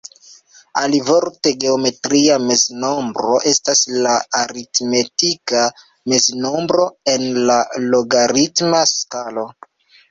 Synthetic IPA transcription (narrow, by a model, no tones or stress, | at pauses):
alivoɾte̞ɡe̞ome̞tɾiame̞zno̞mbɾo̞ʔe̞staslaaɾitme̞tika | me̞zno̞mbɾo̞e̞nlaloɡaɾitmaskalo̞